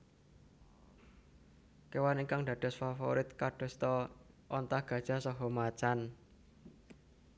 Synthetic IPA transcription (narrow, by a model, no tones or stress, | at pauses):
kewaniŋkaŋd̪̥ä̤ɖ̪̥̤sfafo̰ɾɪt̪̚kaɖ̥ɔ̤st̪ɔ | ʔɔnt̪ahɡ̥ä̤d̥ʒ̥a̤sɔɦɔmat͡ʃan